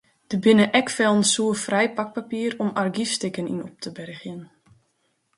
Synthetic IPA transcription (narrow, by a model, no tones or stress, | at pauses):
d̥əbɪnəʔɛkfɛlˠənsuːəfrɛjpak̚papiːəɾɔmarɡisstɪkənḭnɔp̚tʰəbɛrxjən